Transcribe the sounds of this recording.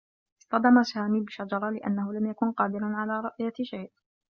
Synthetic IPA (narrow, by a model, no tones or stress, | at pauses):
ɪ̥sˤt̪ɑd̪ɑmasaːmiːbɪʃad͡ʒɑɾˤɑlɪʔa̰nːahʊlamjakʊnqɑːd̪ɪɾanʕalaːɾˤʊʔjaʃajʔ